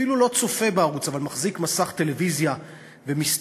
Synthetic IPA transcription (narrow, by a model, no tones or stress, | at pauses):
ilulo̞t͡sofe̞beaʁut͡savalmaχzikmasaχt̪e̞le̞vizja | ve̞mist